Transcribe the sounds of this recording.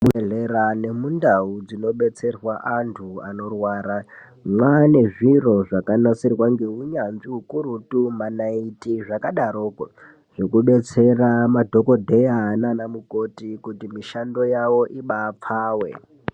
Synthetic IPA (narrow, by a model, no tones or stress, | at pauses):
mueɮeɾane̞mundaud͡zino̞ɓe̞t͡se̞rwaʔantʰua̰no̞rwaːɾa | mwane̞ʐiro̞ʐakanasirwaŋɡe̞ɦuɲanziɦukuɾutumanaitiʐakaɗaɾoːko | ʐ̥ekuɓe̞t͡se̞ramadʱo̞ko̞dʱejaːnanamuko̞tikutimiʃando̞jawo̞ʔiɓap͡faːwḛ